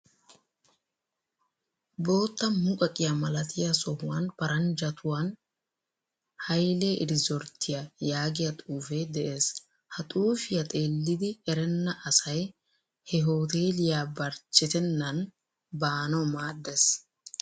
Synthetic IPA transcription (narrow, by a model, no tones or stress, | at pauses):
bo̞ːt̪ːɐmʊkʼɐkʼɪjɐmɐlɐt̪ʰɪjɐsɔhʊwɐnpɐɾɐnd͡ʒɐt̪ʰʊwɐn | hɐjleːʔɪɾɪzɔɾt̪ʰːɪjɐjaːɡɪjɐt̪ʼuːfed̪ɛʔe̞ːs | hɐt̪ʼuːfɪjɐt̪ʼe̞ːlːɪd̪ɪɛɾɛnːɐʔɐsɐj | hɛɦoːt̪eːlɪjaːbɐɾt͡ʃːɪt̪ɛnːɐn | baːnɐmaːd̪ːɛs